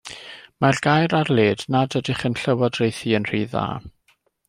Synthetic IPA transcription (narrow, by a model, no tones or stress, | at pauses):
marɡ̥ajɾarleːdnadədɪχənɬəwɔdrejθiənr̥iːða̰ː